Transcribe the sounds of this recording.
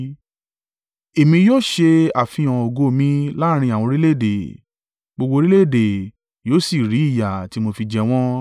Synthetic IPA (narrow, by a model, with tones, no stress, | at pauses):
e˨mĩ˧joː˦˨ʃe˧a˨fĩ˧ã˨o˨ɡo˧˦˨mĩ˦la˦ɾ̃ĩ˧˦a˨w̃ɔ̃˧ɾi˦le˦˨de˨ | ɡ͡bo˧ɡ͡bo˧ɾi˦le˦˨de˨ | joː˨˦si˦˨ɾi˨˦i˦˨ja˨ti˨˦mo˧fi˧d͡ʒɛ˧w̃ɔ̃˦